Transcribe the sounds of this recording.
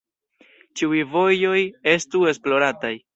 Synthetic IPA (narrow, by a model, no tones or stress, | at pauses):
t͡ʃiujvo̞jo̞je̞stue̞splo̞ɾataj